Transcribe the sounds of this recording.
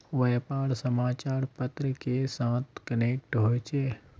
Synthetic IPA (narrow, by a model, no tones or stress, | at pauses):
ʋeːpaːɾsəmaːt͡ʃaːɾpət̪ɾəkesãːt̪ʰkəneːk̚ʈɦoːjt͡ʃeː